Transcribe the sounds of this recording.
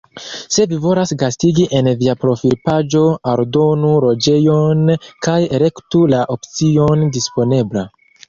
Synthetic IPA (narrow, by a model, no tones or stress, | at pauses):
se̞vivo̞lasɡastiɡiʔe̞nviapɾo̞fiɾpad͡ʒo̞oɾdo̞nuɾo̞d͡ʒe̞jo̞nkajeɾe̞ktulaʔopt͡sio̞ndispo̞ne̞bla